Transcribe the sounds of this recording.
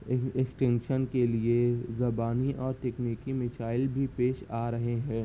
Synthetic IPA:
ɪksʈɪ̃ŋɡʃənkeliezɐbaːniʔɔːɾʈɛkniːkimɪt͡ʃaːɪlbʱipeːʃaːɾɐɦeɦɛ̃ː

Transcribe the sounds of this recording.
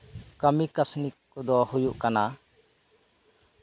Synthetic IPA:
kəmikasnik̚kɔd̪ɔhujuʔkana

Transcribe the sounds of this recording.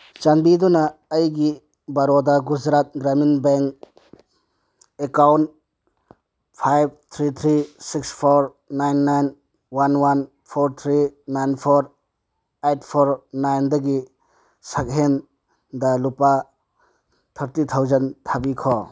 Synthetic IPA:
t͡ʃanbidɔnaːjɡi | baɾɔdaɡud͡ʒɾat̪̚ɡɾaminbeŋk | ekawnt̚ | pʰajb̚t̪ʰɾit̪ʰɾisikspʰoɾ | najnːajn | wanwan | pʰoɾt̪ʰɾinajnpʰoɾ | ejt̚ʰpʰoɾnajndɐɡi | sak̚ɦen | dalupa | t̪ʰaɾtit̪ʰawzɐnt̪ʰabikʰɔ

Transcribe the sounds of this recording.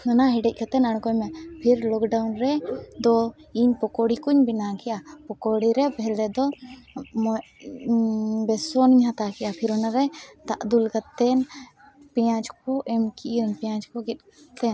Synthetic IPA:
ɔnaɦɛɖɛc̚ˀkat̪ɛnaɽ̃kɔmɛpʰiɾlɔkɖawnɾɛd̪ɔiɲpɔkɔɽikuɲbinakɛjapɔkɔɽiɾɛbɛlɾɛd̪ɔ | mɔ | bɛsɔniɲɦat̪akɛjapʰiɾɔnaɾɛt̪aʔd̪ulkat̪ɛn | pɛjãd͡ʒkɔʔɛmkiʔɾnpɛjãd͡ʒkɔɡɛt̪̚ˀ | t̪ɛn

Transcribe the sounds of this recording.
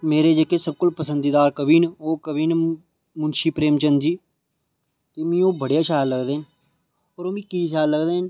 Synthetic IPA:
meːɾeːd͡ʒekeːsəb̚kʊlpəsənd̪iːd̪aːɾkəbʱiːnoːkəbʱiːn | mʊnʃiːpɾeːmt͡ʃənd͡ʒiː | t̪eːmĩːoːbəɽejaːʃaːlːəɡd̪eːn | ɔːɾoːbĩːkiːʃaːləɡd̪eːn

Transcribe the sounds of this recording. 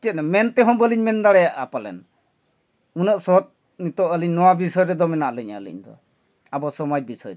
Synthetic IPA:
tɛt̪̚namɛnt̪ɛɦɔ̃bəliɲmɛnd̪aɽɛjaʔapalɛ̰n | unəʔsɔt̪̚ | nit̪ɔʔəliɲnɔwabisɔjɾɛd̪ɔmɛnaʔləɲalḭɲd̪ɔ̰ | abɔsɔmad͡ʒ̚bisɔjɾ

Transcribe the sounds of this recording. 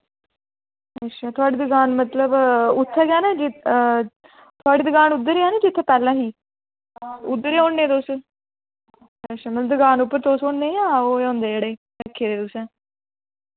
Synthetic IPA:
eʃaːt̪ʰʊaːɽiːd̪əɡaːnmət̪ləbʊt̪ʰːɛkɛːnãːd͡ʒɪ | t̪ʰʊaːɽiːd̪əɡaːnʊd̪ːəɾeːaːnaːd͡ʒɪt̪ʰːeːpɛːlãːɦiː | ʊd̪ːəɾeːõːɳːẽːt̪oːs | eʃaːməd̪əɡaːnʊpːəɾt̪oːsõːɳːeːãːoːõːnd̪eːd͡ʒɽeː | lɛːkʰːeːɾeːt̪ʊsɛ̃ː

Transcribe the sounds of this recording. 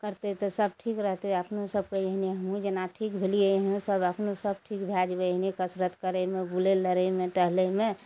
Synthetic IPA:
kəɾt̪et̪ɔsəb̚ʈʰikɾəɦt̪eəpnsəb̚keeɦniɦəmũd͡ʒenaʈʰikbʱelieeɦnũsəbəpnosəb̚ʈʰikbʱad͡ʒbenikəsɾət̪kəɾemẽbuleləɾemẽʈəɦlemẽ

